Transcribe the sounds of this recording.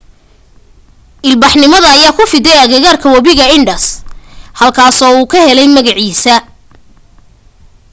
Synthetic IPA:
ʔɪlbɑħnɪmɐðɐːjaːkʰʊfɪðɛjɐɣɪɣaːrkʰɐwɐβɪɣɐɪɳɖɐshɐlkʰaːsɔːuːkʰɐhɛlɛjmɐɣɐʕiːsɐ

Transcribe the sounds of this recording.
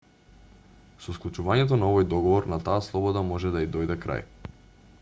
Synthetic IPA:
sɔsklˠut͡ʃuvaɲɛt̪̬ɔnaɔvɔjd̪ɔɡɔvɔɾnat̪aːslˠɔbɔd̪amɔʒɛd̪aid̪ɔjd̪ɛkɾa̰j

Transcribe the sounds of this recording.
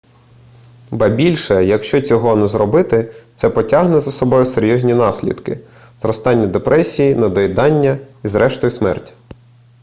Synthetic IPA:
bɐbʲilʲʃɛjɐkʃt͡ʃɔt͡sʲɔɦɔnuzɾɔbɪt̪ɪt̪sɛpɔtʲɑɦnɛzɐsɔbɔjʊseɾʲjɔzʲnʲinɑsʲlʲḭd̪kɪ̰ | zɾɔst̪ɑnʲːɐd̪epɾʔɛsʲijinɐd̪ɔjd̪ɑnʲːɐizɾɛʃt̪ɔjʊsmɛ̰rtʲi̥

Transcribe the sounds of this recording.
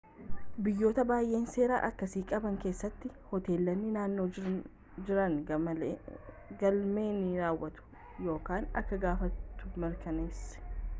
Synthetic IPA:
bɪjːo̞ːt̪ɐbaːjʔe̞ːnse̞ːɾa̰ːʔɐkːɐsiːkʼɐbɐŋke̞ːsːɐt̪ːɪ | hɔt̪e̞ːlːɐnːɪnaːnːo̞ː | d͡ʒɪɾɐn | ɡɐlme̞ːniɾaːwːɐt̪ʊ̥ | jo̞ːkaːnɐ̰kːɐɡaːfɐt̪ːʊ̥mɛɾkɐneːsːɛ̥

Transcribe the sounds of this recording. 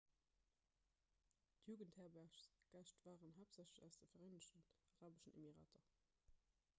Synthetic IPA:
tʰjuːɡənthɛːɐbæɐʃsɡ̥æʃtv̥aːʁənɦaːpz̥æɕləɕɑʊsdəfɐʁeɪnəɕtənɑʁaːbəʃənḛmiʁa̰ːtʰɐ

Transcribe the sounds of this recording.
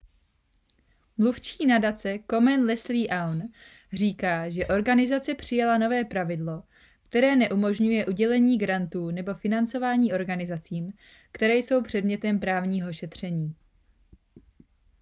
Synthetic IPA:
mluft͡ʃiːnadat͡sɛko̞mɛnlɛsliːʔawn | r̝iːkaːʒɛʔo̞ɾɡanɪzat͡sɛpr̝̥ɪjalano̞vɛːpɾavɪdlo̞ | kt̪ɛɾɛːnɛʔumo̞ʒɲujɛʔuɟɛlɛɲiːɡɾant̪uːnɛbo̞fɪnant͡so̞vaːɲiːʔo̞ɾɡanɪzat͡siːm | kt̪ɛɾɛːjso̞wpr̝̥ɛdmɲɛt̪ɛmpɾaːvɲiːɦo̞ʃɛt̪r̝̥ɛɲiː

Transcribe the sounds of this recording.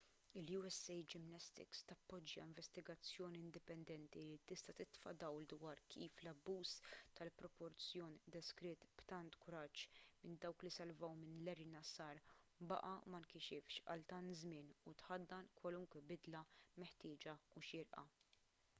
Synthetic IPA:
ɪljuːɛsːɛjd͡ʒɪmnɛst̪ɪ̰kst̪ɐpːɔd͡ʒːɐ̰ɪɱvɛst̪ɪɡɐt͡sːjɔːniɪnd̪ɪpɛnd̪ɛnt̪ilit̪ɪst̪ɐt̪ɪt̪fɐ̰d̪ɐwld̪wɐːɾkʰiːflɐbːuːzt̪ɐlpɾɔpɔɾt͡sjɔːnd̪ɛskɾɪːt̪b̥t̪ɐnt̪kʊɾɐt͡ʃːmɪnd̪ɐwklisɐlvɐwmɪnlɛɾɪnɐsɐːɾbɐ̰ʔɐmɐnkɪʃɪfʃɐ̰lt̪ɐnt̪zmɪːnut̪ħɐd̪ːɐnkwɐlʊŋkwɛbɪd̪lɐmɛħt̪ɪːd͡ʒɐuʃɪɾʔɐ̰

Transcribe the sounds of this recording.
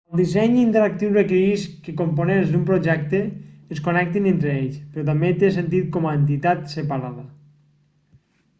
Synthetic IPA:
əlˠd̪isɛɲint̪eɾak̚t̪iwrəkeɾiskekomponenzd̪umpɾoʒɛk̚t̪əːskonɛk̚t̪inent̪ɾeeʎspɾɔt̪̬ambet̪esent̪̬it̪̚kɔmaent̪̬it̪at̪səpaɾaðə

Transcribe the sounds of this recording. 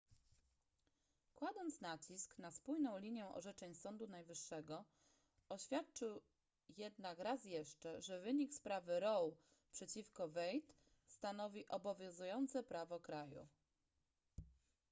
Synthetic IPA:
kwad̪ɔnt̪snat͡ɕisknaspujnɔ̃w̃lʲiɲjɛ̃ʔɔ̰ʐɛt͡ʂɛɲsɔnd̪unajvɘʂːɛɡɔ | ɔɕfʲjat̪̚t͡ʂɘw | jɛd̪̚nakɾasjɛʂt͡ʂɛʐɛvɘɲikspɾavɘɾɔw | pʂɛt͡ɕifkɔvɛjt̪ | st̪an̪ɔvʲiʔɔbɔvʲjɔ̃w̃zujɔnt̪sɛpɾavɔkɾajṵ

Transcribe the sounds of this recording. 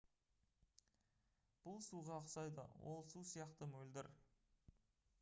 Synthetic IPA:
b̥ʊlˠsuʁɑːqsɑjd̪ə̰wʔo̞̰lˠsusijɑqt̪əmɵld̪ɪɾ

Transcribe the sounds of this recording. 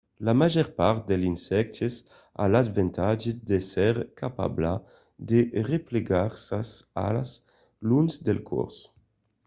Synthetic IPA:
lamaʒɛɾpaɾt̪̚d̪elinsɛk̚t̪es | a̰lad̪vɛnt̪ad͡ʒed̪esɛʁkʰapa̰bla | d̪erepleɡaɾsaza̰laz | lunzd̪elkʰɔ̰ɾs

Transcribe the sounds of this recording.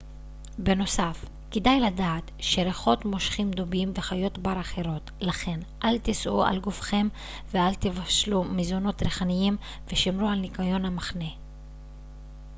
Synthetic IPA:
be̞no̞saf | kidajladaːtʃe̞ɾeχo̞t̪mo̞ʃχimd̪obimve̞χajo̞tbaɾaχe̞ɾo̞t̪laχe̞nʔalt̪isʔua̰lɡufχe̞m | vealt̪ivaʃlumizono̞t̪ɾeχanijim | veʃimɾualnikajo̞nhamaχne̞

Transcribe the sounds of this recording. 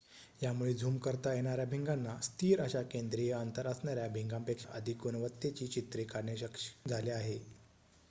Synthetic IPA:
jamuɭed͡zʱuːmkəɾt̪ajeɽ̃aɾjabʱiŋɡãnːast̪ʰiːɾəɕakend̪ɾijəənt̪əɾəsɳaɾjabʱiŋɡãmpekʂaʔə̰d̪ʱikunəʋət̪ːjet͡ɕiːt͡ɕit̪ɾekaɾɳəɕəkʂd͡zʱaleaɦe

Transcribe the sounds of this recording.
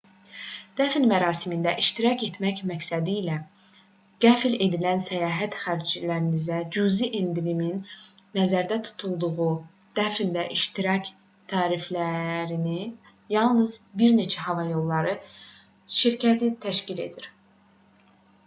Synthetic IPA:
d̪̥æfilmæɾɑːsimind̪æʔiʃt̪iɾɑce̞t̪ʰmæcmæcsæd̪iːlæ | ɡ̥æfle̞d̪ilænsæjɑːɦæt̪χæɾd͡ʒilæɾinizæd͡ʒuziʔend̪iɾiminːæzæɾd̪æt̪ʰu̥t̪ʰulˠd̪uɣu | d̪̥æfild̪æʔiʃt̪iɾɑc | t̪ʰɑːɾiflæɾini | jɑlˠnɯzbiɾne̞t͡ʃʰæhɑvɑjo̞lˠːɑɾɯ | ʃiɾcʰæt̪ʰit̪ʰæʃcile̞̰d̪iɾ

